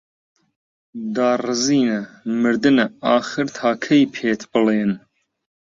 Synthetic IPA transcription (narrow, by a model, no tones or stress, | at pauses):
d̪ɑːrɨziːnɐ | mɨɾd̪ɨnɐaːχɨɾt̪ʰaːkʰɐjpʰeːt̪ʰbɨleːn